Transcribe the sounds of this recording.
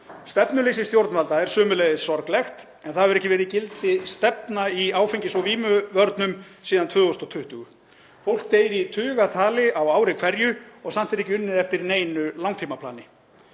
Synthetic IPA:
st̪ɛpnʏlejsɪst̪jowɾt̪nvalt̪aɛɾ̥sʏːmʏlɛjðɪsɔɾklɛxt̪ | ɛnθaðɛɾɛhcɪvɛːɾɪcɪlt̪ɪst̪ɛp̚naiaːwfejɲcɪsvɔviːmʏvœɾt̪nʏm | siːðant̪ʰʏːɣɔst̪ɔt̪ʰʏht̪ʏɣʏ | fowl̥k̚t̪eːjɾit̪ʰʏːɣat̪ʰaːlɪʔawaːwɾɪkʰvɛɾjʏɔɣsam̥t̪ɛɾɛhcɪʏnːɪðɛft̪ɪɾineːjnʏlawŋt̪ʰiːmapʰlaːnɪ

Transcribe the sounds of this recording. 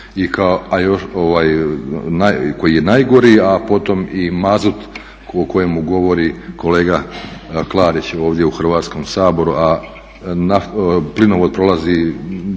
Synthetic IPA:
ikaoajo̞ʃoʋaːjnako̞jijenajɡo̞ɾiapo̞t̪o̞mimazut̪ | oko̞jemuɡo̞ʋo̞ɾiko̞leːɡaklˠaːɾit͡ɕo̞ːʋd̪je̞uxr̩ʋaːt̪sko̞msaːbo̞ɾuʔa | naplinoʋod̪̚pɾo̞lˠazi

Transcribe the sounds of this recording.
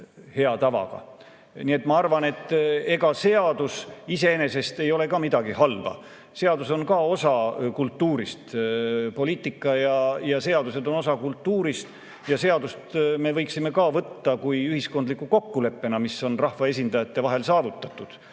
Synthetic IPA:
he̞ɑt̪ɑvɑ̰ɡ̥ɑ̰ | nie̞t̪mɑɑrvɑne̞t̪ːe̞ɡɑse̞ɑd̪̥usise̞ene̞se̞st̪e̞jo̞le̞kɑːmid̪ɑɡihɑlvɑ̰ | se̞ɑd̪uso̞nkɑːo̞sɑkult̪ːuːɾist̪po̞lʲiːt̪ːˑikːˑɑjɑjɑse̞ɑd̪use̞d̪o̞no̞sɑkult̪ːuːɾist̪ | jɑse̞ɑd̪ust̪me̞vɤjksime̞kɑːvɤt̪ːɑkujyhisko̞nd̪likːˑuko̞kːule̞pːe̞nɑmiso̞nrɑhvɑe̞s̬ʲind̪ɑjɑt̪ːe̞vɑɦe̞lsɑːvut̪ːˑɑt̪ːˑud̪̥

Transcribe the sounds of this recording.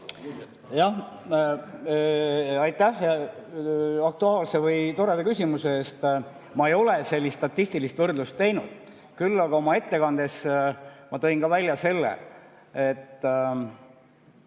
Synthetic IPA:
jɑh | ɑjt̪ːˑæh | ɑk̚t̪uɑːlse̞vɯjt̪o̞ɾe̞d̪ekysʲimuseeːst̪ | mɑe̞jo̞le̞se̞lʲːist̪t̪ɑt̪ːˑist̪ilist̪vɤrd̪lust̪ːe̞jnud̪̥̚ | kylːɑɡ̥ɑo̞mɑe̞t̪ːe̞kɑnd̪e̞smɑt̪o̞jnkɑvælʲjɑse̞lːḛ | et̪ː

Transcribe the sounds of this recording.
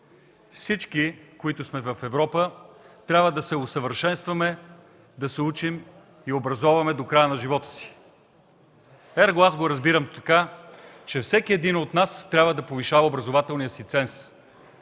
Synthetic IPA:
fsit͡ʃkikoit̪ʊsmɛvɐfɛvɾɔpət̪ɾʲabvəd̪ɐsɛosəvəɾʃɛnst̪vɐmɛ | d̪ɐsɛut͡ʃim | iobɾɐzɔvɐmɛd̪okɾajənɐʒivɔt̪ə̥si̥ | ɛɾɡoazɡoɾɐzbiɾəmt̪ɐkat͡ʃɛfsɛkiɛd̪inot̪nast̪ɾʲabvəd̪ɐpoviʃavɐobɾɐzovat̪ɛlˠnijəsit̪sɛns

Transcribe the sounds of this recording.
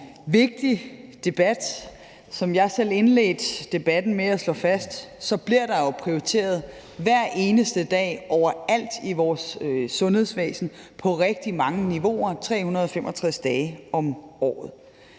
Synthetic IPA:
ʋe̝ɡ̥̚d̥id̥e̝b̥æd̥ | sɒ̽mjɑ̈ɪsel̰e̝nlḛːd̥d̥e̝b̥æd̥n̩meæslɔ̽fæsd̥sɒ̽b̥liɐɾ̥ɑ̈jo̝pʰʁioit͡sʰe̝̰ːɐð̞ˠ | ʋæɐ̰ʔe̝ːnəsd̥əd̥ɛ̰ːʔɒʊ̰ɐæl̰d̥iʋɒːsːɔ̽nhe̝ð̞ˠsʋɛ̰ːsn̩pʰɒ̽ʁɛɡ̥̚d̥imɑ̈ŋəniʋo̝̰ɐt͡sʰʁɛ̰ːhunɐð̞ˠɒ̽femʔɒ̽t͡sʰʁasd̥ɛːɒ̽mɒ̰ːð̩ˠ

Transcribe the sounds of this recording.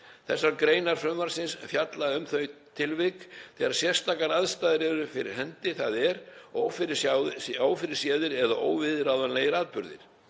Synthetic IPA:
θɛsːaɾkɾeːjnaɾ̥fɾʏmːaɾ̥sɪnsfjat̪laʏmθœjt̪ʰɪlvɪkθɛːɣaɾ̥sjɛr̥st̪aːkaɾaðst̪aːðɪɾɛɾʏfɪɾɪɾ̥hɛnt̪ɪθaðɛɾoːwfɪɾɪaaːwfɪɾɪɾ̥sjɛːðɪɾɛðaʔoːwvɪðɪɾaːwðanleːjɣɪɾaːðpʏɾðɪ̰ɾ̥

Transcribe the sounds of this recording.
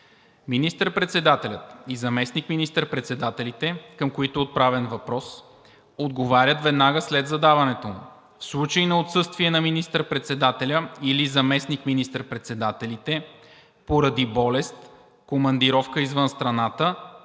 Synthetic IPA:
minist̪əɾpɾɛt̪sɛd̪at̪ɛlʲət̪izɐmɛsnikminist̪əɾpɾɛt̪sɛd̪at̪ɛlit̪ɛkəmkoit̪oot̪̚pɾavɛnvɐpɾɔs | od̪ɡovaɾʲət̪vɛd̪naɡəslɛd̪zɐd̪avɐnɛt̪omʊ̰ | fslˠut͡ʃəinɐot̪sɤst̪viɛnɐminist̪əɾpɾɛt̪sɛd̪at̪ɛlʲəilizɐmɛsnikminist̪əɾpɾɛt̪sɛd̪at̪ɛlit̪ɛ | poɾɐd̪ibɔlɛst̪ | komɐnd̪iɾɔfkəizvɤnst̪ɾɐnat̪ə

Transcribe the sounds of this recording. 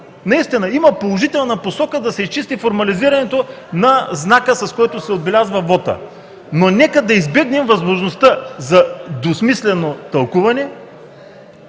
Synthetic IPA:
nɐist̪inɐimɐpolˠoʒit̪ɛlˠnɐposɔkəd̪ɐsɛist͡ʃist̪ifoɾmɐliziɾɐnɛt̪onɐznakəsɐskɔjt̪osɛod̪̚bɛlʲazvɐvɔt̪ə̰ | nonɛkəd̪ɐizbɛɡnɛmvɐzmoʒnost̪əzɐd̪osmislɛnot̪ɐlˠkuvɐnɛ

